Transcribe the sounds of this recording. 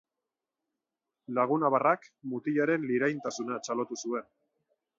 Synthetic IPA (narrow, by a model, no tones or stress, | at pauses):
laɣ̞unaβarakmut̪iʎaɾe̞nliɾajnt̪asunat͡ʃalo̞t̪usue̞n